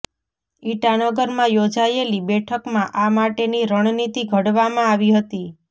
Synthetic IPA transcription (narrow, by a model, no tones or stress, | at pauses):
iʈanəɡəɾmãjod͡ʒaelibɛʈʰəkmãʔamaʈeniɾəɳ̃nit̪iɡʱəɽʋamãaʋiɦət̪i